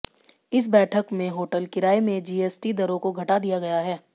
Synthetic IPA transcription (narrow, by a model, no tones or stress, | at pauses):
ɪs̬bɛːʈʰəkmẽɦoːʈəlkɪɾaːemẽd͡ʒiːeːsʈid̪ɐɾõkoɡʱɐʈad̪ijaɡɐjaɦɛː